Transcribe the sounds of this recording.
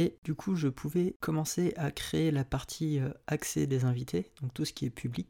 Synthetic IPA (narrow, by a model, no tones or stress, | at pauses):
ed̪ykʰuʒəpʰuvɛkʰɔmɑ̃seʔakχeːlapaʁt̪ʰiøaksḛd̪ezɛ̃vit̪ʰed̪̥ɔ̃k̚t̪usə̥kʲiɛpʰyblik̚ʲ